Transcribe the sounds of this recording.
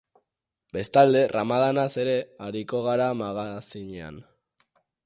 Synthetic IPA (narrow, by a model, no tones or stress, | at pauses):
be̞st̪ald̪e̞ramaðanase̞ɾe̞aɾiko̞ɣ̞aɾamaɣasiɲea̰n